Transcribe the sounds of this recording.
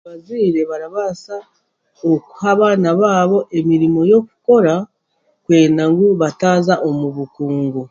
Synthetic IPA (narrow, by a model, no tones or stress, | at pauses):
βaziːɾe̞βaɾaβasa | oku̥haβaːnaβaːβo̞ʔe̞miɾimo̞jo̞ku̥ko̞ɾa | kwe̞ːnaŋɡuβataːzaʔo̞muβukuːŋɡu